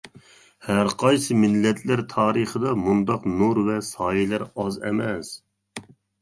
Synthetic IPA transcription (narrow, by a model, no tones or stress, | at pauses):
hæɾqʰɑjsɨmɪlːɛt̪ʰlɪɾt̪ʰɑːɾəχəd̪ɑmund̪ɑqnuɾvɛsɑːjilæɾɑzɛ̰mɛs